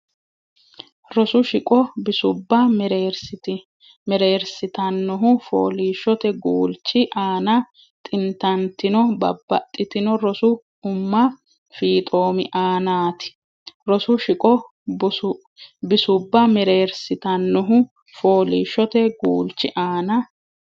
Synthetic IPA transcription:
ɾɔsʊʃɪkʼɔbɪsʊbːɐmɛɾeːɾsɪt̪ɪ | mɛɾe̞ːɾsɪt̪ɐnːɔɦʊfo̰ːliːʃːɔt̪ɛɡuːlt͡ʃːɪʔaːnɐ | t̪ʼɪnt̪ɐnt̪ɪnɔbɐ̰bːɐ̰t̪ʼːɪt̪ɪnɔɾɔsʊ | ʊmːɐ | fiːt̪ʼo̞ːmɪʔaːnaːt̪ɪ̥ | ɾɔsʊʃɪkʼɔ | bɪsʊbːɐmɛɾeːɾsɪt̪ɐnːɔɦʊ | fo̞ːliːʃːɔt̪ɛɡuːlt͡ʃːɪʔaːnɐ

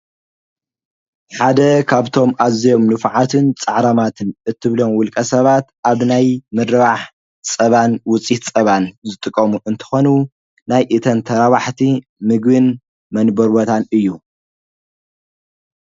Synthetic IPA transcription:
ħad̪ɐkʰaβt̪ʰo̞mʔazijo̞mnɨfʕat̪ʰɨnt͡sʼɐʕɾɐmat̪ʰɨnʔɨt̪ʰːɨβlo̞mwʊlkʼɐsɐβat̪ʔaβnajmɨd̪ɐβaħ | t͡sʼɐβanwʊt͡sʼit̪t͡sʼɐβanzɨt̪ʼɨkʼːɐmuʔɨnt̪ʰɐ̥xo̞nu | najʔɨt̪ʰɐnt̪ʰɐɾaβaħt̪ʰi | mɨɡbɨn | mɐnbɐɾbot̪ʰanɨjːu

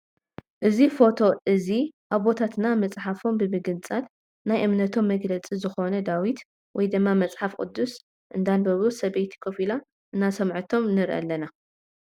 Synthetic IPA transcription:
ʔɨzifo̞t̪ʰo̞ʔɨziʔaβbo̞t̪ʰat̪namɐt͡sʼħafo̞mbɨbɨɡɨnt͡sʼat̪ | najʔɨmnɐt̪ʰo̞mːɐɡlɐt͡sʼizɨxo̞nɐd̪awit̪ | wɔjd̪ɨmːamɐt͡sʼħafkʼɨ̰d̪ːus | ʔɨnd̪anbɐβusɐβejt̪ʰi̥kʰofila | ʔɨnːasɐmʕɨt̪ʰo̞mnɨɾʔa̰lːɐna

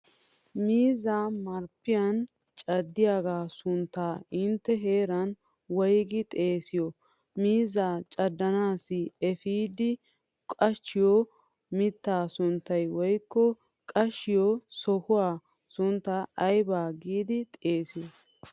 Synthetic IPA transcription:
miːzaːmɐɾpːɪjɐn | t͡ʃʼɐd̪ːɪjaɡaːsʊnt̪ːaːɪnt̪ːɛɦe̞ːɾɐn | wɔjɡɪt̪ʼe̞ːsɪjɔ | miːzaːt͡ʃʼɐd̪ːɐnaːsɪɛfiːd̪ɪ | kʼɐʃːɪjɔ | mɪt̪ːaːsʊnt̪ːɐjwɔjkːɔ | kʼɐʃːɪjɔsɔhʊwaː | sʊnt̪ːaʔːjbaːɡiːd̪ɪt̪ʼeːsɪjɔ

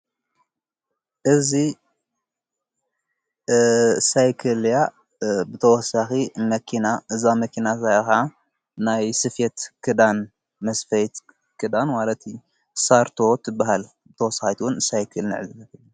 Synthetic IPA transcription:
ʔɨzi | sajkʰɨlja | bɨt̪ʰɐwɔsaximɐkʰinaɨzamɐkʰinasajxa | najsɨfet̪kʰɨd̪an | mɐsfɐjt̪ | kʰɨd̪anmalɐt̪ | saɾt̪ʰo̞t̪ʰɨbːaɦal | bɨt̪ʰɐwɔsaxit̪ʰuwunsajkʰɨlniʕɨzɨ

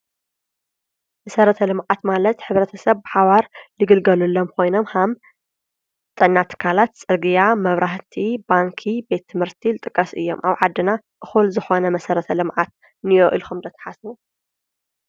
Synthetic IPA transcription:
mɐsɐɾɐt̪ʰɐlɨmʕat̪malɐt̪ħɨβɾɐt̪ʰɐsɐβbɨħaβaɾlɨɡɨlɡɐlulːomkʰo̞jno̞mham | t̪ʼɨnːat̪ʰɨ̥kʰalat̪t͡sʼɨɡɨjamɐβɾaht̪ʰibaŋkʰibe̞t̪ʰːɨmhɨɾt̪ʰilɨt̪ʼɨkʼːɐsʔɨ̰jːo̰mʔaβʕad̪ːɨnaʔɨxulzɨxo̞nɐmɐsɐɾɐt̪ʰɐlɨmʕat̪̚ | nɨjoʔilxumd̪ɐt̪ʰɐ̥ħasu

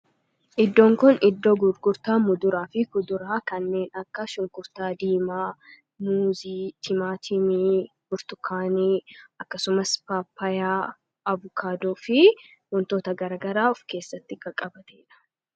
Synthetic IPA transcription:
ʔɪd̪ːoːŋkʊnɪd̪ːoːɡʊɾɡʊɾt̪aːmʊd̪ʊɾaːfɪkʊd̪ʊɾaːkɐnːe̞ːnɐkːɐʃʊŋkʊɾt̪aːd̪iːmaː | muːziːt̪ʰɪmaːt̪ʰɪmiː | bʊɾt̪ʊkʰːaːniːɐkːɐsʊmɐspaːpʰːɐjaː | ɐvʊkʰaːd̪oːfɪ | wɔnt̪o̞ːt̪ɐɡɐɾɐːɡɐɾaːɔfke̞ːsːɐt̪ːɪkɐkʼɐbɐt̪ɛɪᶑɐ̥

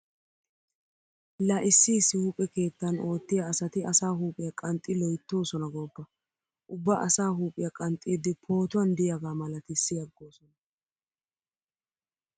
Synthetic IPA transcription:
laʔɪsːisːɪhuːpʼːɛke̞ːt̪ːɐno̞ːt̪ːɪjaːsɐt̪ɪʔɐsaːhuːpʼːɪjɐkʼɐnt̪ʼːɪlɔjt̪ːo̞ːsɔnɐɡɔbːɐ | ʔʊbːɐʔɐsaːɦuːpʼɪjɐkʼɐnt̪ʼːɪːd̪ːɪpʰo̞ːt̪ʊwɐnd̪ɪjaɡaːmɐlɐt̪ɪsːɪjɐɡːoːsɔnɐ

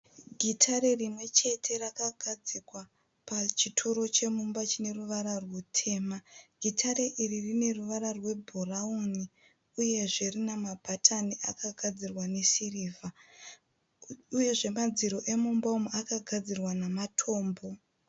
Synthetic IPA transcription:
ɡʱitʰaɾe̞rimwe̞t͡ʃe̞tʰe̞rakaɡʱad͡zikwa | pat͡ʃitʰoɾo̞t͡ʃe̞mumbat͡ʃine̞ruʋaɾarwutʰe̞ːmaɡʱitʰaɾe̞ʔiririne̞ruʋaɾarwe̞bʱorauni | uje̞ʐe̞rinamabʱatʰaniʔakaɡʱad͡zirwane̞siriːva | uje̞ʐe̞mad͡ziɾo̞ʔe̞mumbaumuakaɡʱad͡zirwanamatʰo̞ːmbo̞

